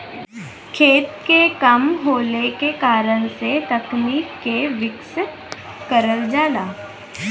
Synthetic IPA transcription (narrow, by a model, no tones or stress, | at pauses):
kʰeːt̪̚kekəmɦoːlekekaːɾəɽ̃set̪ɐkniːkːeʋɪksɪt̪ | kəɾəld͡ʒaːlaː